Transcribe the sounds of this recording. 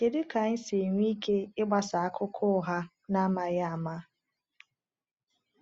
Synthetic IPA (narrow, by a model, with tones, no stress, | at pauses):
ke˨dɪ˦ka˨ɲ̩˦se˨ŋʷi˦kʰe˦ɪ˦ɡ͡ba˨sa˨a˦kʰʊ˦kʰʊ˦˨ɦa˦ | na˦ma˦ja˦a˨ma˦